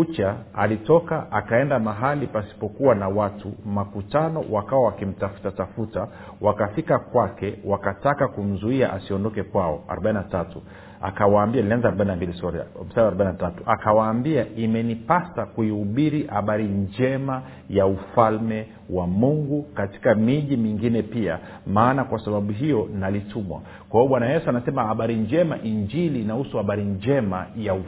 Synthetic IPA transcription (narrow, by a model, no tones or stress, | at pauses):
ut͡ʃaalitɔkaʔakaɛndamaɦalipasi̥pɔkuwanawatumakutanɔwakawawakim̩tafu̥tatafuta | wakafikakwakɛwakatakakum̩zuiaʔasiɔndɔkɛkwaɔa̰ɾɔɓaininatatu | a̰kawaːmbiailianzaɾɔɓaininambilisɔɾ̰m̩sadaɾɔɓainatatuʔakawaːmbiaimɛnipasakuihuɓiɾihaɓaɾind͡ʒɛma | jaufalmɛ | wamuŋɡukati̥kamiʄimiŋɡinɛpia̰ | maːnakwasaɓaɓuɦijɔnalitʰumwa̰ | kwaiɔɓwanajɛsuanasɛmahaɓaɾiɲd͡ʒɛma̰ʔiɲd͡ʒiliːnahusuhaɓaɾiɲd͡ʒɛmajau